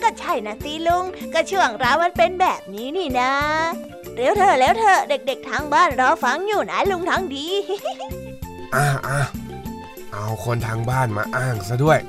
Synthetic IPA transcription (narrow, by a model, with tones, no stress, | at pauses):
kɔː˥˩t͡ɕʰa˥˩jna˦˥siː˨˧˦lu˧ŋkɔː˥˩t͡ɕʰu˥˩əŋɾaː˧˥˩wma˧˥npe˧nbɛː˨˩p̚niː˦˥niː˧˩na˦˥ | ɾeː˨˦˥wt̪ʰɤː˧˩lɛː˨˦˥wt̪ʰɤː˧˩de˨˩k̚de˨˩k̚t̪ʰaː˧˥ŋbaː˥˩nɾɔː˧˥fa˧˥ŋjuː˨˩naː˨˦˥jlu˧ŋt̪ʰaː˧˥ŋdiː˧ | ʔaː˧˩ʔa˧˩ | ʔa˧wkʰo˧nt̪ʰaː˧ŋbaː˥˩nma̰ː˧ʔaː˥˩ŋsa˧˩du˥˩əj